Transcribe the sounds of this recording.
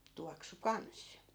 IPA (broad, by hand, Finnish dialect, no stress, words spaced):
tuɑksu kɑns